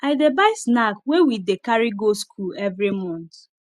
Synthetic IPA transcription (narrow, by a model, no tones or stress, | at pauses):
aɪdebaɪsnakwewidekaɹiɡoskʰulɛvɾimɔ̃nt